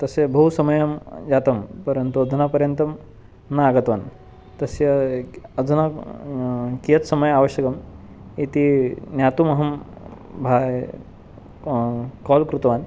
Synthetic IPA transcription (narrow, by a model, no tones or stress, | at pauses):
t̪ɐsjɐbʱɐɦusɐmɐjɐmd͡ʑat̪ɐmpɐɾɐnt̪uɐd͡zʱɐnapɐɾjɐnt̪ɐm | naaɡɐt̪ʋaːn | t̪ɐsjɐɐd͡zɐna | kijɐt̪sɐmɐjaʋɐɕjɐkɐm | it̪injat̪umɐɦɐm | bʱaːj | kɔlkɾut̪ʋaːn